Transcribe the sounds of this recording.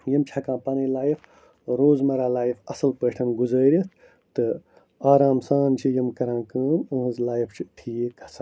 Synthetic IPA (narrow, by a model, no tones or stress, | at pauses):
jɐmt͡ʃʰɐkãːpɐnĩːlaːjif | ɾoːzmɐɾaːlaːjifɐsɨlpəːʈʰɐnɡuzəːɾʲit̪ʰ | t̪ɨ | aːɾaːmsaːnt͡ʃʰijɐmkɐɾãːkəːnũːɦɨ̃zlaːjift͡ʃʰiʈʰiːkɐsɐ